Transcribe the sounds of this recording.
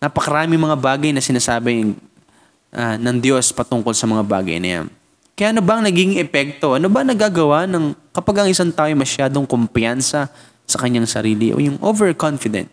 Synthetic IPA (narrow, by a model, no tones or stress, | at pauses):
nɐpɐkɐɾaːmɪŋmɐŋabaːɡɐjnɐsɪnaːsaːbɪ | ʔɐnɐŋd̪jo̞spɐt̪ʊŋko̞lsɐmɐŋaba̰ːɡɐ̰jnɐ̰ja̰n | kɐjaːʔɐnobɐɐŋnɐɡiːɡɪŋʔɛpɛk̚t̪o̞ʔɐnobɐɐŋnɐɡaːɡɐwanɐŋkɐpɐɡɐŋʔɪsaŋt̪aːʔojoŋmɐʃjaːd̪o̞ŋkompjansɐ | sɐkɐɲːaŋsɐɾiːlɪʔo̰jʊŋʔovɛɹkonfɪd̪ɛ̰nt̪